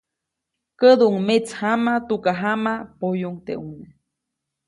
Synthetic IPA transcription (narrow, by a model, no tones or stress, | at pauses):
kəd̪uʔuŋmet͡shamat̪ukaɦamapojuŋt̪ḛuŋne